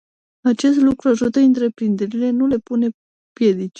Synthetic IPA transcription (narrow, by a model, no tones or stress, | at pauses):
at͡ʃe̞st̪lukɾuaʒut̪əɨnt̪ɾe̞pɾind̪e̞ɾile̞nule̞pune̞ | pje̞d̪it͡ʃ